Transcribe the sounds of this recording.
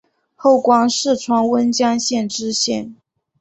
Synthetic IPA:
xo˥˩ʊkwɑ˥ŋʂɻ̩˥˩ʈ͡ʂʰwɑ˥ŋwə˥nt͡ɕjɑ˥ŋɕjɛ˥˩nʈ͡ʂɻ̩˥ɕjɛ˥˩n

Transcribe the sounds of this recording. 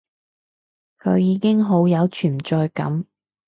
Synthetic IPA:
kʰɵ˨˧ɥjiː˨˧kɪ˥ŋɦo˨˥wjɐ˨˧wt͡ʃʰyː˨˩mt͡ʃɔː˧jkɐ̰˨˥m

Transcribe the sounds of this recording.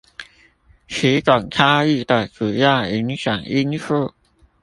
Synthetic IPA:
ɕʰi˨˥ka˨˩ŋkʰa˥i˥˩t̪a˨˩kɯ˨˩ja˥˩˨i˧˥ŋɕa˨˩ŋi˥nfɤ˥˩

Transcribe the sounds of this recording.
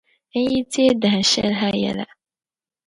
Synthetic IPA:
n̩˦ji˦ti˦e˦dã˨a˨ʃɛ˦lɦa˦jɛ̰˨la̰˨

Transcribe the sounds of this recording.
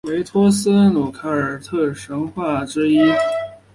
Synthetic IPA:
we˧˥ɪt̪ʰɔ˥sɹ̩˥nu˨˩kʰa˥ə˞˨˩t̪ʰɤ˥˩ʂɤ˧˥ŋxwa˥˩ʈ͡ʂɻ̩˥i˥

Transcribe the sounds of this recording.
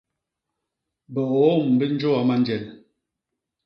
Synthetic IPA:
bə˨o˨˦˨m˨bə˦n̩˦d͡ʒo˦a˨˦ma˦n˦d͡ʒɛ˨l

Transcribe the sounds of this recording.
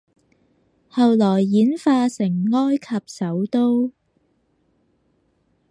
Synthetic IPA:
hɐ˨˧wlɔː˨˩jːiː˨˥nfaː˧sɪ˨˩ŋːɔː˥jkʰɐ˨p̚sɐ˨˥wt̪o˥w

